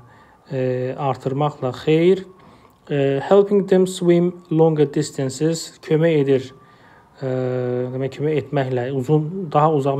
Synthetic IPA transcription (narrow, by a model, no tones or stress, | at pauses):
ɑɾt̪ʰɯɾmɑχlˠɑxejɾ | helˠpʰĩŋd̪ẽmswimlˠõŋɡəd̪ist̪ʰansiz̥kʰømæjed̪iɾ | d̪imæcʰømæet̪ʰmæçlæuzund̪ɑɦɑuzɑʁ